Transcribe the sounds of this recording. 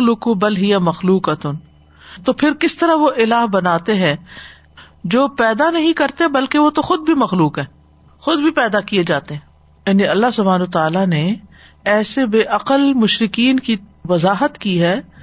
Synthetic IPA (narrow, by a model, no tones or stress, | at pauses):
lʊkʊbɐlɦɪjamɐxluːqət̪ʊn | t̪opʰɪɾkɪst̪ɐɾaʋoʔɪlaːɦbɐnaːt̪eɦɛ̃ː | d͡ʒoːpɛːd̪anɐɦĩkɐɾt̪eɦɛ̃bɐlkeʋot̪oxʊd̪̚bʱimɐxluːkɦɛ̃ː | xʊd̪̚bʱipɛːd̪akied͡ʒaːt̪eɦɛ̃ː | jaːniɐlːaɦsʊbʱaːnot̪aːlane | ɛːsebeːʔɐqəlmʊʃɾɪkiːnkiʋɐzaːɦət̪kiɦɛː